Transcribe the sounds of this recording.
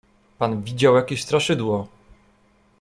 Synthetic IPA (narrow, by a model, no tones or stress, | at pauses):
panvʲid͡ʑawjakʲeɕst̪ɾaʂɘd̪wɔ